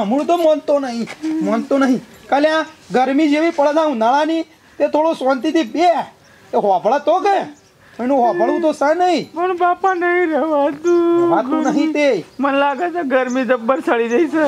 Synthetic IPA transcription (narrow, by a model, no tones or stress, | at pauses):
əmũt̪̬omənt̪onəɦĩmənt̪onəɦĩkəljãɡəɾmid͡ʒeʋipəɭd͡ʒãũnaɭani | t̪et̪ʰoɽosʋənt̪it̪ibe | t̪eɦoapəɭat̪oke | mənũɦaəɽũt̪osanəɦĩmənbapanəɦĩɾəʋad̪uʋat̪onəɦĩt̪emənlaɡət͡ʃeɡəɾmid͡zəbəɾsəɭid̪ejse